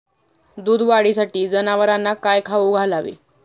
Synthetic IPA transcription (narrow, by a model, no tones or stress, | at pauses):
d̪uːd̪ʋaɽisaʈiːd͡zənaʋəɾanːakajkʰaʋuɡʱalaʋḛ